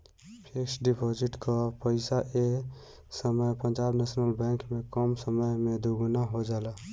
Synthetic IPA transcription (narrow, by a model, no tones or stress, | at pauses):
pʰeksɖipʰod͡ʒiʈkapəɪsaʔe | səməjpənd͡ʒaːbnesnəlbɛ̃ŋkmẽkɔmsəməjmẽd̪uɡunaɦod͡ʒaːla